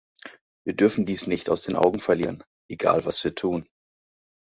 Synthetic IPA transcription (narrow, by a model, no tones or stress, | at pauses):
viːɐdʏɐfn̩diːsnɪçtaʊsd̥eːnʔa̰ʊɡŋ̩fɛɐliːʁən | ʔeɡa̰ːlvasv̥iːɐtʰuːn